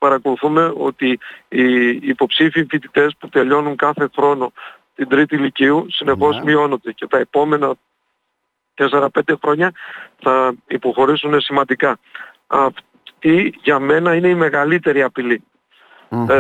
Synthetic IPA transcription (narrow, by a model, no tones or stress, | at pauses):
pɐɾɐko̞luθume̞o̞̰t̪iː | po̞psifiɱfit̪it̪e̞sput̪e̞ʎo̞nuŋkɐθe̞xɾo̞no̞ | t̪ind̪ɾit̪iliciusine̞xo̞zmio̞no̞nd̪e̞ce̞t̪ɐe̞po̞me̞nɐ | t̪e̞se̞ɾɐpe̞nd̪e̞xɾo̞ɲɐθɐipo̞xo̞ɾisune̞simɐnd̪ikɐ | ɐf | t̪iʝɐme̞nɐine̞ime̞ɣɐlit̪e̞ɾiɐpili